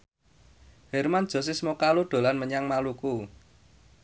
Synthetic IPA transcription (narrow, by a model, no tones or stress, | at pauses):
hɛrmand̥ʒ̥ɔ̤s̬ɪsmɔkaluɖ̥o̤lanməɲaŋmaluku